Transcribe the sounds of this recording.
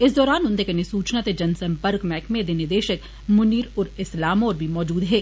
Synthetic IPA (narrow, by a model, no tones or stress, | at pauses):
ɪs̬d̪ɔːɾaːnʊnt̪ekenɪsuːt͡ʃnat̪ed͡ʒɐnsɐ̃mpəɾkmɛːkmẽd̪enɪd̪eːʃək | mʊniːɾʊɾɪslaːmoːɾbʱimɔːd͡ʒuːd̪ɦɛː